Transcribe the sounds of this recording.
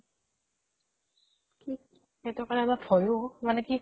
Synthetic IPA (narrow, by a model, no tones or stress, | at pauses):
ki | ɛtɔkaɹmafʰɔjomanɛki